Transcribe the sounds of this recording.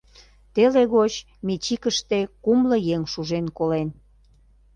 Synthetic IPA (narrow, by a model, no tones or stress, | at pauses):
t̪eleɣot͡ɕ | met͡ɕikəʃt̪ekumlə̆jeŋʃuʒenkolen